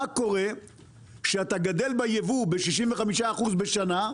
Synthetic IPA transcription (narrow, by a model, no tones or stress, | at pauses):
ako̞ʁe̞ | ʃeat̪aɡad̪e̞lbajevube̞ʃiʃ̬imveχamiʃaːχuzbe̞ʃana